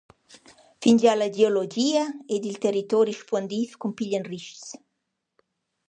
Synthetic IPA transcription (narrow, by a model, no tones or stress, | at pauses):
find͡ʒalad͡ʒeolod͡ʒiəed̪ilt̪eɾit̪ɔɾiʃpɔnd̪ifkumpiʎanriʃs